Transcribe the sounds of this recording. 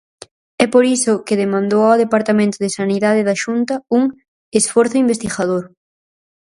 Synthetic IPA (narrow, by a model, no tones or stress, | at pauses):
ɛpoɾisʊkɪðemãnd̪owoðepaɾt̪amẽnt̪ʊðɪsaniðaðɪðɐʃunt̪ɐuŋ | esfɔɾθʊimbest̪iɣaðoɾ